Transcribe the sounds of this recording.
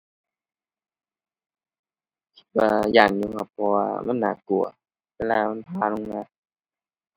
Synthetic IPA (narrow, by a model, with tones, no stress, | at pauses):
kʰi̥˧˩t̪̚waː˧jaː˧˩ŋjuː˧kʰa˧˩pʰːɔː˧waː˧ma̰˧˥˨nːa̰ː˨˩ku˨˩ɐ | wɛː˧˨laː˧˨ma˧˥˨npʰaː˧˨lo˧˨ŋnaː˧˩